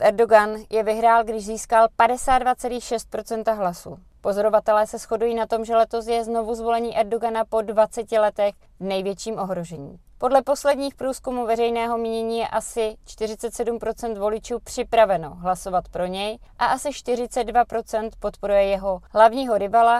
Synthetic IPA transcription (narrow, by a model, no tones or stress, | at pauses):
ʔɛɾdoɡanjɛvɪɦɾaːlɡdɪʒziːskalpadɛsaːd̪dvat͡sɛliːxʃɛst̪̚pɾo̞t͡sɛnt̪aɦlasṵː | po̞zo̞ɾovat̪ɛlɛːsɛsxo̞dujiːnat̪o̞mʒɛlɛt̪o̞s̬jɛzno̞vuzvo̞lɛɲiːʔɛɾdoɡanapo̞dvat͡sɛcɪlɛt̪ɛx | vnɛjvjɛt͡ʃiːmʔo̞ɦɾo̞ʒɛɲḭː | po̞dlɛpo̞slɛdɲiːxpɾuːskumuvɛrɛjnɛːɦo̞mɲiɲɛɲiːjɛʔasɪt͡ʃt̪ɪrɪtt͡sɛt̪sɛdumpɾo̞t͡sɛnt̪vo̞lɪt͡ʃuːpr̝̥ɪpɾavɛno̞ɦlaso̞vat̪pɾo̞ɲɛjʔaʔasɪʃt̪ɪrɪt͡sɛd̪̚dvapɾo̞t͡sɛnt̪po̞t̪po̞ɾujɛjɛɦo̞ɦlavɲiːɦo̞ɾɪvala